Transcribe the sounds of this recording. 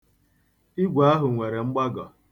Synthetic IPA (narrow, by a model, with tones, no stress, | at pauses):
i˦ɡʷa˨a˦ɦʊ˨ŋʷe˨ɾe˨ŋ͡m̩˦ɡ͡ba˦ɡɔ̰˨